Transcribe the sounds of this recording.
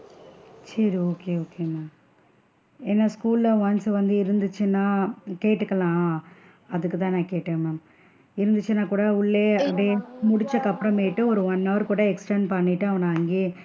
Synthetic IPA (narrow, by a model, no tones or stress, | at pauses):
sɐɾioːkeːoːkeːmaːm | ɛnːɐskuːllɐʋɐnsʋɐnd̪ɯɪɾɯnd̪ɯt͡ʃːɯnːaːkeːʈːɯkːɐlãː | ɐðɯkːɯt̪ãːnãːkeːʈːẽːmaːm | ɪɾɯnd̪ɯt͡ʃːɯnaːkuːɽɐʊɭːeːɐpɽeːmʊɽɪt͡ʃːɐkːɐpːɯɾɐ̃meːʈːɯɔɾɯʋɐnːɐːʋɾkuːɽɐɛksʈenpɐɳːɪʈːɯɐʋɐnaːŋɡi